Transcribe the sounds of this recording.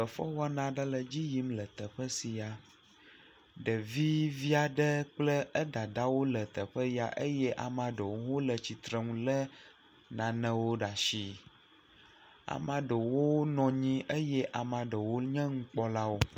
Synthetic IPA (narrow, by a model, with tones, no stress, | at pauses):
ə˨fɔ˦wa˦nã˨ɖə˦lə˨d͡ʑi˦ji˦mlə˨t̪ə˨ɸə˦si˨ja˨ | ɖə˨vi˦vi˦a˨ɖə˦k͡plə˦ə˦ɖa˨ɖa˦wo˦lə˨t̪ə˨ɸə˦ja̰˨ʔə˦jɛ˦ʔa˨mã˨ɖə˨wwo˦lə˨t͡ɕi˨t̪ɾə˦ŋũ˦lə˦ | nã˨nə̃˨wo˦ɖa˨ʃi˨ | a̰˨mã˨ɖə˨wo˦nɔ̃˨ɲĩ˦ʔə˦jɛ˦ʔa˨mã˨ɖə˨wo˦ɲɛ̃˦ŋ̩̃˦k͡pɔ˦la˦wo˦